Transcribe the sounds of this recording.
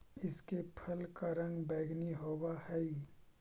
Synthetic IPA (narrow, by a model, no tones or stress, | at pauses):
ɪskepʰəlkaɾə̃ŋɡbɛːɡniɦoːwahɛi